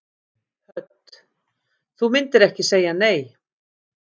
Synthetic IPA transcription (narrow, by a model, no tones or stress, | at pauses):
hœt̪ | θumɪnt̪ɪɾɛhcɪseːjaneːj